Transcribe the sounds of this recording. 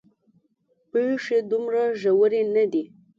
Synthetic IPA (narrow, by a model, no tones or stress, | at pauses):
peʂed̪ʊmɾaʒawəɾenad̪i